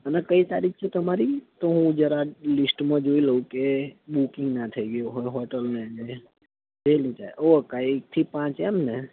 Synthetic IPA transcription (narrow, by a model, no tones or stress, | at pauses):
ənekəit̪a̰ɾik̚ʰt͡ʃʰet̪əmaɾit̪oɦũd͡ʒəɾalisʈmãd͡ʒoiləɦũkeɓukɪ̃ŋɡnat̪ʰəiɡəjoɦojɦɔʈəlned͡ʒe | d͡ʒelid͡ʒaʔokaiek̚t̪ʰipãt͡ʃemne